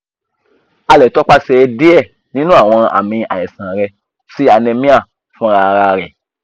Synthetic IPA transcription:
a˧lɛ˨tɔ˦k͡pa˦sɛ˧di˦ɛ˦˨ | nĩ˦nũ˦a˦˨w̃ɔ̃˧a̰˨mĩ˧a̰˨jɛ˨sã˨ɾɛ˧ | si˦a˧nẽ˧mĩ˦a˦˨ | fũ˦ɾa˧ɾa˧ɾɛ˨

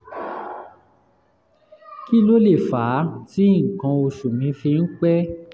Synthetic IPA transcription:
ki˦lo˦le˦˨faː˨˦ti˦ŋ̩˨kã˧o˧ʃu˨mĩ˧˦fĩ˧n̩˦k͡pɛ˦

